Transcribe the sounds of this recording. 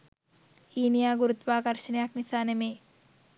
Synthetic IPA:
iːnijaːɡuɾut̪ʋaːkɐɾʃɐnjaknisaːnemeː

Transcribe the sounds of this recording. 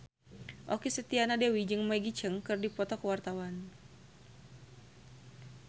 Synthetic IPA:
ʔokisət̪ianadewid͡ʒɨŋmaɡit͡ʃəŋkɨrdipɔt̪ɔkəwart̪awan

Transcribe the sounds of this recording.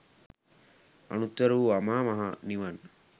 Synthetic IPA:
ɐ̰nut̪ːɐɾuːɐmaːmɐɦɐniʋɐn

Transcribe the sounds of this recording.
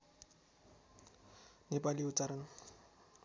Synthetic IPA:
nɪpʼaliʊt͡saɾan

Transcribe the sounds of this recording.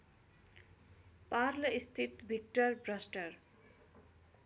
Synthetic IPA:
parlʌist̪ʰit̪bʱik̚ʈʌrbrʌsʈʌr

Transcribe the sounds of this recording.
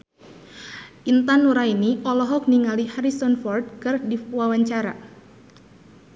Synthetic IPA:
ʔint̪anuɾainiɔlɔɦɔk̚niŋalihaɾisɔnfɔrd̪̚kɨrdiwawaɲt͡ʃaɾa̰

